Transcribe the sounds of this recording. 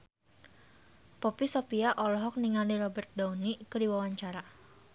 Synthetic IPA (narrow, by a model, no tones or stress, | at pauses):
pɔpisopiaʔɔlɔɦɔk̚niŋaliɾɔbɛrt̪̚daunikədiwawaɲt͡ʃaɾa